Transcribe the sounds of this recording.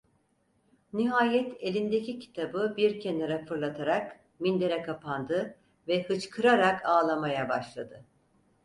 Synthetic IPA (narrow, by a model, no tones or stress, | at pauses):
niɦaːjɛt̪ʰe̞lʲind̪ecicʰi̥t̪ʰabɯbiɾcʰeneɾafɯɾlˠat̪ʰaɾak | mind̪e̞ɾɛkʰapʰand̪ɯ | vɛhɯt͡ʃkʰɯɾaɾakʰaːlˠamajabaʃlˠad̪ɯ